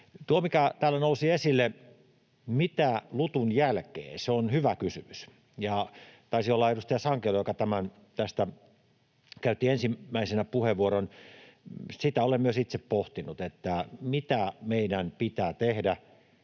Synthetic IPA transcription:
t̪uomikæt̪æːlːænousiesilːe | mit̪ælut̪unjælkḛːseonhyʋækysymys | jɑt̪ɑisiolːɑedust̪ɑjɑsɑŋkeːlojokɑt̪æmæn | t̪æst̪æ | kæyt̪ːˑiensimːæisenæpuheʋːuoɾon | sit̪æolemmyøsit̪seppoht̪inut̪et̪ːæmit̪æmeidænpit̪æːt̪ehdæ

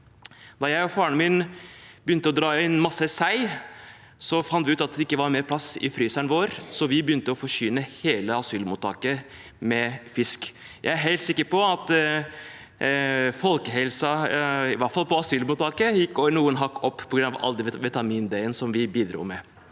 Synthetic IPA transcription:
d̪ɑɾjæɪɔfɑːɾɳmɪnbəjʏnt̪əɔd̪ɾɑːɪnmɑsːəsæɪ | sɔfɑnʋɪʉːt̪ɑt̪̚d̪ɛɪkːəʋɑɾmɛɾpʰlɑsɪ̰fɾyːsæɳʋoːɾsɔʋɪbəjʏnt̪əɔfɔʂyːnəheːləɑsyːlmʊt̪ʰɑ̰ːkə | mɛfɪsk | jæɪæɾɦeɪlt̪sɪkːəɾpɔɑt̪ | fɔlkəɦɛlsɑɪʋɑɾfɑlpɔɑsyːlmʊt̪ʰɑːkəjɪkːɔnuːənɦɑkːɔpːpʰɔɡɾʉnɑʋɑ̰ld̪əʋɪt̪ɑmiːnd̪eɪənsɔmʋɪbiːd̪ɾṵːmɛ

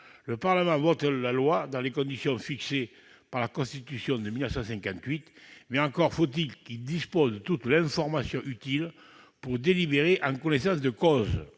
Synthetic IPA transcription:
ləpaʁləmɑ̃vɔt̪lalwad̪ɑ̃lekɔ̃d̪isjɔ̃fikse | paʁlakɔ̃st̪it̪ysjɔ̃d̪əmilnəfsɑ̃sɛ̃ŋkɑ̃nt̪ɥit̪mɛɑ̃kɔʁfot̪̬ilkild̪ispozt̪ut̪lɛ̃fɔʁmasjɔ̃ʔyt̪il | puʁd̪elibeʁeʔɑ̃kɔnesɑ̃sd̪əkɔz

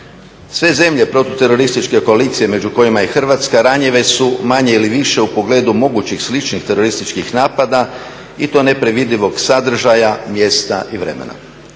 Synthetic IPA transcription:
sʋe̞ze̞mʎe̞pɾo̞t̪ot̪e̞ɾo̞ɾist̪it͡ʃke̞ko̞aliːt̪sije̞me̞d͡ʒuko̞imaixr̩ʋat̪skaɾaɲeʋe̞sumaɲe̞iliʋiʃe̞upo̞ɡle̞ːd̪umo̞ɡut͡ɕixslit͡ʃnixt̪e̞ɾo̞ɾist̪it͡ʃkixnaːpad̪a | it̪o̞ːne̞pɾe̞ʋid̪iʋo̞ɡsad̪r̩ʒajamje̞st̪aʔiʋɾe̞mḛna̰

